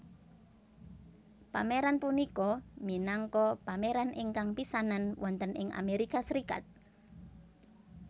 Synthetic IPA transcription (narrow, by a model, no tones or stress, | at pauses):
pameɾanpunikɔminaŋkɔpameɾanʔɪŋkaŋpisananwɔnt̪ənʔɪ̰ŋa̰meɾikasəɾika̰t̪̚